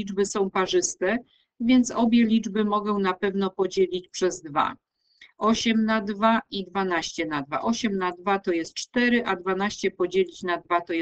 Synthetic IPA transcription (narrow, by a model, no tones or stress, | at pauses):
id͡ʐbɘsɔ̃w̃paʐɘst̪ɛ | vʲjɛnt̪sɔbʲjɛlʲid͡ʐbɘmɔɡɛ̃w̃napɛvnɔpɔd͡ʑelʲit͡ɕpʂɛzd̪va̰ | ʔɔɕɛmnad̪vaʔid̪vanaɕt͡ɕɛnad̪va̰ʔɔɕɛmnad̪vat̪ɔjɛst̪̚t͡ʂt̪ɛɾɘʔad̪vanaɕt͡ɕɛpɔd͡ʑelʲit͡ɕnad̪vat̪ɔj